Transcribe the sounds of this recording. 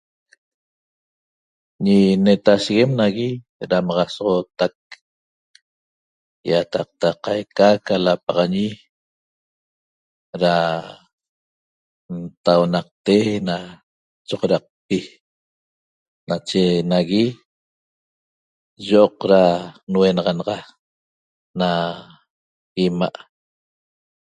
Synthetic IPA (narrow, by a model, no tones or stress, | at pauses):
ɲinet̪aʃiɣe̞mnaɣi | ɾamɑʁɑsɔʁot̪ak̚ | jat̪ɑq̚t̪aqajkakalapɑʁɑɲi | ɾa | nt̪awnɑq̚t̪ena | t͡ʃoʁɾɑq̚pi | nat͡ʃenaɣi | ʒoʔoqɾanwenɑʁɑnɑʁɑ | na | imaʔ